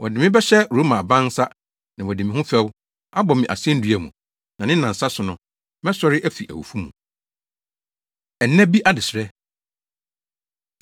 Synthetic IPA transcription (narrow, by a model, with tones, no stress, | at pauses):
wʔɔ˨dɪ̃˨mɪ̃˦bɛ˦ɕɛ˦ɾo˨˦mã˨bã˦n˦sa˦ | nã˨wɔ˨dɪ˨mɪ̃˦hʊ̃˦fɛ˦w | a˦bɔ˨mɪ̃˨ʔa̰˨sɪ˦ɛ̃˦n̩˦dɥæ˨mṵ̃˨ | nã˨nɪ̃˦nã˨n̩˨sa˦sʊ˨nʊ̃˨ | mɛ̃˦sɔ˦ɾɪ˦ʔæ˦fi˨ʔæ̰˨wṵ˨fu˦mũ˨ | ɛ˨˦nɛ̃˦bi˦ʔa˦dɪ˨sɾɛ˦